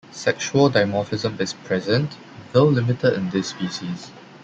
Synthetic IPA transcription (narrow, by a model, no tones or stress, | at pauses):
sɛkʃuəldaɪmɔfɪzə̃mɪspʰɹɛzə̃nt | wɪllɪmɪtʰədɪ̃ndɪsːpiːʃis